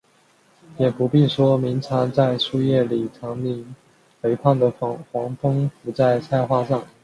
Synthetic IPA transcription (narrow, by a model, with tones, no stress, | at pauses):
jɛ˨˩pu˧˥pi˥˩nʂwɔ˥mi˧˥ŋt͡sʰɑ˧˥ŋt͡sa˥˧ɪʂu˥˧jɛ˥˩li˨˩t͡sʰɑ˧˥ŋmi˧˥ŋ | pe˧˥ɪkʰa˥˩nd̪ə˩˧˥xwɑ˧˥ŋfɤ˥ŋfu˧˥t͡sa˥˩ɪt͡sʰa˥˧ɪxwa˥˧ʂɑ˥˩ŋ